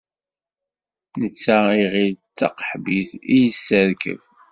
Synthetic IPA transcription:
nət͡sːaiʁilt͡sːə̰qħbiθijəsːəɾkə̰v

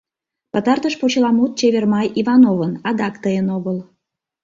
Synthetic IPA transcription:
pət̪ɑrt̪əʃpot͡ɕlɑmut̪̚t͡ɕeβermɑjivɑnovənɑd̪ɑkt̪əjənoɣəl

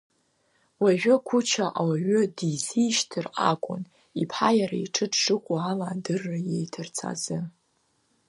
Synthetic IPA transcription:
waʒᶣʊkʷʰʊt͡ʃʰaʔawaʒʊdiziʃtʰɨra̰kʷʼʊ̰n | ipʰħajaɾaiʈ͡ʂʰɨdʰʂɨkʷʼaalaːdɨrːajejtʰɨrt͡sʰa̰zɨ

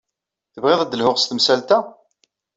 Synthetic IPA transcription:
θəvʁeðˤæd̪ːəlhʊʁst̪msælt̪æ

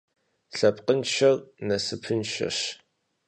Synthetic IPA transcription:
ɬɐpʼqənʃɐrnɐsɨpʰɨnʃɐ̰ɕ

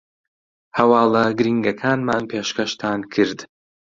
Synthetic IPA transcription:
hɐwaːlˠɐɡɨɾiːŋɡɐkʰaːnmaːnpʰeːʃkɐʃt̪ʰaːnkʰɨɾd̪

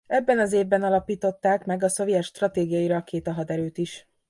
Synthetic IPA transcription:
ɛbːɛnɒzeːvbɛnɒlɒpiːt̪o̞t̪ːaːkmɛɡɒso̞vijɛt̪ʃt̪rɒt̪eːɡijɒiɾɒːkeːt̪ɒɦɒd̪ɛɾøːt̪iʃ

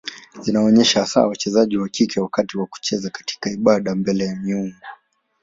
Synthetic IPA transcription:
zinaɔɲɛʃasa̰wat͡ʃɛzaʄiwakikʰɛwakatiwaku̥t͡ʃɛzakḁti̥kaiɓaɗambɛlɛjamiuŋɡɔ

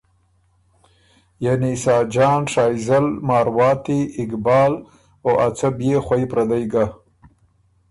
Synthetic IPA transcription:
janisɑːd͡ʒɑːnʂɑːjzalmɑːɾwɑːt̪iɪkbɑːl | oʔat͡sabjexwajpɾad̪ajɡa

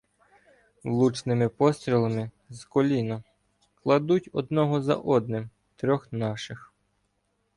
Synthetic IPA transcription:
wlˠut͡ʃnɪmɪpɔst̪ɾʲilˠɐmɪ | zkɔlʲinɐ | klˠɐd̪utʲɔd̪nɔɦɔzɐ̰ʔɔd̪nɪm | t̪ɾʲɔxnɑʃɪx

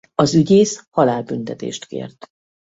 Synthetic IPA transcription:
ɒzyɟeːshɒlaːlbynt̪ɛt̪ḛːʃt̪kḛːrt̪

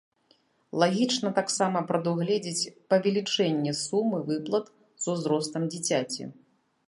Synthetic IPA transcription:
lˠaɣʲit͡ʂnɐt̪aksamɐpɾɐd̪uɣlʲɛd͡zʲit͡sʲpɐvʲɛlʲit͡ʂɛnʲːɛsumɨvɨplˠɐt̪ | z̥uzɾɔst̪ɐmd͡zʲit͡sʲat͡sʲḭ

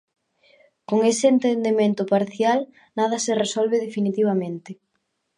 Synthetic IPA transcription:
koŋesɪːnt̪end̪emẽnt̪ʊpaɾθjal | nað̞ɐseresɔlβeðefinit̪iβ̞amẽnt̪ɪ

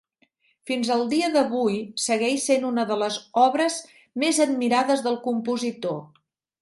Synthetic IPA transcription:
finzəlˠd̪iəðəβujsəɣɛʃsenunəðələzɔβɾəz | mezəd̪̚miɾaðəzðəlˠkumpuzit̪o

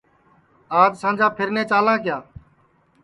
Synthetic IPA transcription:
aːd͡ʒsãːnd͡ʒaːpʰɪɾnẽːt͡ʃaːlãːkɪjaː

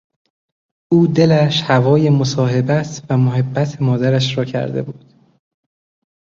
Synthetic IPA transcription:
ʔuːd̪e̞læʃhævɒːje̞mosɒːɦe̞bæsvæmoɦe̞bːæt̪ʰemɒːd̪æɾæʃɾɒːcʰæ̰ɾd̪e̞̰buːd̪̥

